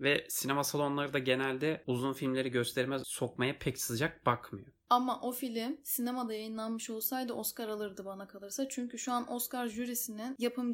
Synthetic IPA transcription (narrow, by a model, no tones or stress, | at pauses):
vɛsinemasalˠo̞nlˠaɾɯd̪aɟe̞nælʲd̪ɛuzunfilʲmlʲe̞ɾiɟø̞st̪ʰeɾmɛso̞kmajapʰɛcsɯzd͡ʒak̚b̥akmɯjo | amːaʔo̞filʲimsine̞mad̪ajajɯnlˠanmɯʃo̞lˠsajd̪ɯʔoskaɾalˠɯɾd̪ɯbanakʰalˠɯɾsat͡ʃʰyɲcyʃuanʔoskaɾʒyɾisininjapʰɯm